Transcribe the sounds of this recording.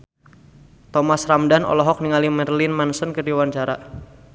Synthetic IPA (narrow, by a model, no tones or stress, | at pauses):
t̪ɔmasramdanɔ̰lɔɦɔk̚niŋalimɛrlɪnmansənkərdiwant͡ʃaɾa